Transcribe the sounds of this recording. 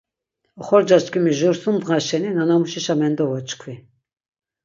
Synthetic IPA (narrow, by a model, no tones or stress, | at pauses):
ɔχɔɾd͡ʒat͡ʃkʰimiʒuɾsumd̪ʁaʃɛninanamuʃiʃamɛnd̪ɔvɔt͡ʃkʰvi